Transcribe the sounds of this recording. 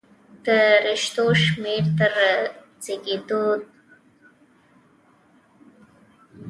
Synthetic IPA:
d̪̥əɾɪʃt̪oʃmeɾt̪əɾa | t͡seɡed̪od̪̚

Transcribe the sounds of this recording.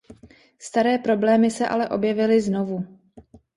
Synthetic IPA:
st̪aɾɛːpɾo̞blɛːmɪsɛʔa̰lɛʔo̞bjɛvɪlɪzno̞vu

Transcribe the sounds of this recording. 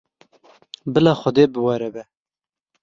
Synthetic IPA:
bɨlɑːxʷɔd̪eːbɨwɛɾɛbɛ

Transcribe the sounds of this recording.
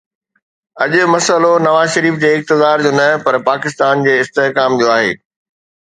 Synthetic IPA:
ɐʄʊ̆mɐsəlonɐʋaːzʃɐɾiːfd͡ʑeːɪk̚t̪ɪzaːɾd͡ʑoːnɐpɐɾpaːkɪs̬t̪aːnd͡ʑeːɪst̪eɦkaːmd͡ʑoːaːɦḛː

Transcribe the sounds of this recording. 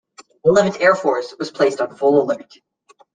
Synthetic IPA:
əlɛvɨ̃ntɛɹfɔɹswʌz̥pʰl̥eɪstn̩fʊlˠəlɜ̃˞t

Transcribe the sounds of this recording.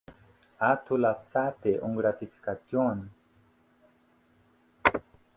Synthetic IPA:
at̪ʰulasat̪eʔuŋɡɾat̪ifi̥kat̪jon

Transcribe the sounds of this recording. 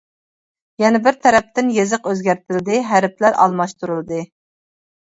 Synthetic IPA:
jɛnɛbɪɾt̪ʰɛɾɛp̚t̪ɪnjezɨqøzɡʲæɾt̪ʰɪld̪ɪɦæɾɪp̚ʰlæɾɑ̰lˠmɑʃt̪ʰuɾulˠɨd̪ɨ

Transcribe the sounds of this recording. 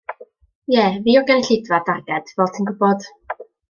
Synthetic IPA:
jɛːviːɔɡənɪɬɪdvadaɡɛd̥vɔːtʰinɡʊbɔd̥

